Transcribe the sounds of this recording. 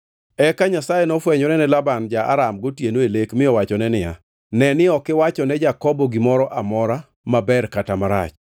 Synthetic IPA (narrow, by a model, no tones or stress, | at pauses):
ɛkaɲasajɛnɔfwɛɲɔɾɛnɛlaband͡ʒaʔa̰ɾamɡotjenoelekmɪɔwat͡ʃɔnɛnɪja̰ | nɛnɪɔkɪwat͡ʃɔnɛd͡ʒakɔbɔɡɪmɔɾɔʔamɔɾa | mabɛrkatamaɾa̰t͡ʃ